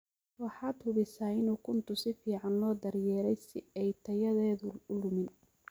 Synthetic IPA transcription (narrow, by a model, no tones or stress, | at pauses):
wɑħɑːd̪hʊβɪsaːɪnuːkʰʊnt̪ʰʊsɪfiːʕɑnlɔːd̪ɐɾjɛːɾɛjsɪɛjt̪ʰɐjɐðɛːðʊʊlʊmɪn